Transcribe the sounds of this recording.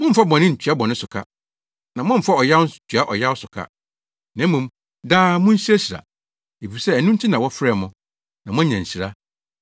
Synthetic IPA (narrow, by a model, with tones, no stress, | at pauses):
mʊ̃˦m̩˨fa˦bɔ̃˨nɪ̃˦n̩˨t͡ɕʰᶣɥa˦bɔ̃˨nɪ̃˦sʊ˨kʰa̰˦ | nã˨mʊ̃˦m̩˨fa˦ɔ˨ja˦wt͡ɕʰɥa˦ʔɔ˨ja˦wʊ˦sʊ˨kʰa̰˦ | nɛ̃˨˦mːũ˨m | daː˦mʊ̃˦n̩˦ɕi˦æ˦si˨ɾa̰˨ | e˨fi˨sɛ˦ɛ˨nũ˦n̩˦tʰɪ˦nã˨wɔ˦fɾɛ˦˨mʊ̃˨ | nã˨mʊ̃˦ɲã˨ɲ̩˨ɕi˨ɾa˦